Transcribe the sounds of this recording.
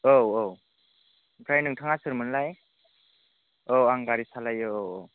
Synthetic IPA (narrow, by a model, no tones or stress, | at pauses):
owow | bʰɾajnɯŋtʰaŋasɯɾmɯnlaj | owaŋɡaɾisalajɯowow